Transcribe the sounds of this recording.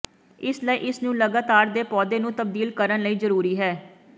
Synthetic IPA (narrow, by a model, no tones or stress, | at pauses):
ɪsləiːʔɪsnũːləɡaːt̪aːɾd̪eːpɔːd̪eːnũːt̪əb̚d̪iːlkəɾənləiːzəɾuːɾiːɦɛː